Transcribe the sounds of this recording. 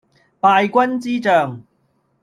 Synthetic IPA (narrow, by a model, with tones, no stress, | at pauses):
paː˧jkʷɐ˥nt͡siː˥t͡sœː˨˩ŋ